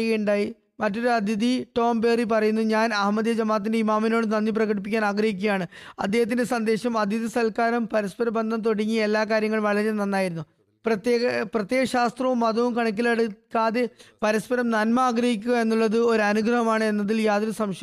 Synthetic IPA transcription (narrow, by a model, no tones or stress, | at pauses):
ɣeuɳɖaːji | mɐtːo̞ɾuɐd̪ʱid̪iʈo̞ːmbe̞ːrip̬ɐrɐjunːuɲaːnɐɦmɐðjɐd͡ʑɐmːaːɐt̪̬ːindeimaːmino̞ːɽɨnɐnːip̬rɐɣɐɽipːikʲːaːnaːɡrɐɦikʲːuɣɐjaːɳɨɐ̰d̪ːe̞ːhɐt̪̬ːinde̞sɐnd̪e̞ːɕɐmɐd̪ʱiðisɐlkaːɾɐmpɐɾispɐɾɐmbɐnd̪ʱɐmt̪o̞ɽiŋːie̞lːaːkaːɾjɐŋːɐɭʋɐɭɐɾɐmnɐnːaːjiɾunːu | prɐt̪eprɐt̪je̞ːɣɐɕaːst̪rɐʋumːɐðɐʋumkɐɳɐk̬ːilɐɽukːaːðepɐɾispɐɾɐmnɐnmɐaːɡrɐɦikʲːuɣɐe̞nːuɭːɐðɨo̞ɾuɐnuɡrɐɦɐmaːɳɨe̞nːɐðiljaːðoɾusɐmɕɐ